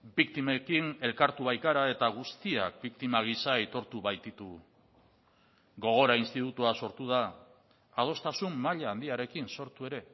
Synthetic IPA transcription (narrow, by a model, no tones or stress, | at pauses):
bik̚t̪imekine̞lkaɾt̪uβajkaɾae̞t̪aɣ̞ust̪iak̚bikt̪imaɣ̞isaet̪o̞ɾt̪uβajt̪it̪u | ɡo̞ɣ̞o̞ɾainst̪it̪ut̪uaso̞ɾt̪uð̞aː | ð̞o̞st̪asumːaʎaːnd̪iaɾe̞kinso̞ɾt̪ue̞ɾe̞